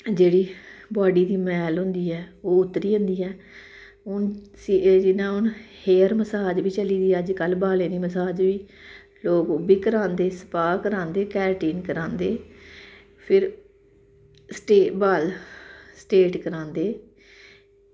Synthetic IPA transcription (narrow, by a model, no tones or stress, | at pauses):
d͡ʒeːɽiːbaːɖiːd̪iːmɛːlɦʊ̃nd̪iːɛːoːʊt̪ːɾiːɦʊ̃nd̪iːɛː | ʊnsid͡ʒɪnːãːʊnheːəɾməsaːd͡ʒʋiːt͡ʃəliːd̪iːɛəd͡ʒkəlbaːlẽːd̪iːməsaːd͡ʒʋiː | loːkʊbiːkəɾãːnd̪eːsə̥paːkəɾãːnd̪eːkɛːɾʈiːnkəɾãːnd̪eː | pʰɪɾ | sʈeːbaːlsʈeːʈkəɾãːnd̪eː